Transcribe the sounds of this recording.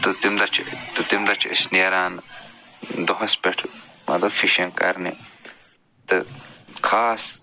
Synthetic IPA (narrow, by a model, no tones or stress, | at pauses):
t̪ut̪imd̪ɐt͡ʃʰt̪ut̪imd̪ɐt͡ʃʰḭsnijɐɾaːn | d̪oɦɐspeʈʰmɐ̰d̪ɐfiʃɐŋkɐ̰ɾnḭ | t̪ɨkʰaːs